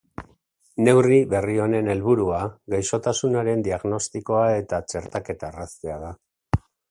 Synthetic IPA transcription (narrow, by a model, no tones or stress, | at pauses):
ne̞wriβe̞rio̞ne̞ne̞lβuɾuaɣajso̞t̪asunaɾe̞nd̪iaɣno̞st̪iko̞ae̞t̪at͡ʃe̞ɾt̪ake̞t̪araseað̞a